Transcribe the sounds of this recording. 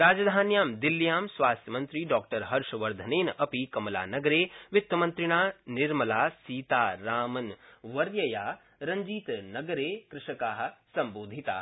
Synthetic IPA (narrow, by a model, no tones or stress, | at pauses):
ɾaːd͡ʒɐd̪ʱaːnjaːmd̪ɪlːijaːmsʋaːst̪jɐmɐnt̪ɾiːɖɔːk̚ʈɐɾɦɐɾʃɐʋɐɾd̪ʱɐneːnɐpikɐmla̰ːnɐɡɐɾeːʋɪt̪ːɐmɐ̃nt̪ɾɪɽ̃aːnɪɾmɐlaːsiːt̪aːɾaːmɐnʋɐɾjɐjaː | ɾɐ̃ɲd͡ʒiːt̪nɐɡɐɾeːkɾɪʃɐkaːɦ̆sɐ̃mboːd̪ʱit̪a̰ː